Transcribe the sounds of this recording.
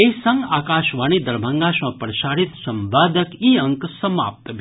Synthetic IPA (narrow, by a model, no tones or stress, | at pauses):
esɐŋɡaːkaʃʋanid̪əɾbʱə̃ŋɡaʃmɐ̃pɾəʃaːɾit̪sɐmbaːd̪əkiəŋksəma̰ːp̚t̪bʱ